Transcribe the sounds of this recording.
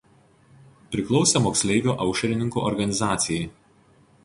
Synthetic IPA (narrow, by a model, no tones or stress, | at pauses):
pʲɾʲɪklˠɒʊsʲɛmoːksʲlʲɛɪʋʲuːʔɐʊʃʲɛɾʲɪnʲɪŋkṵʔɔɾɡɐnʲɪzɑːt̪sʲɪjɛɪ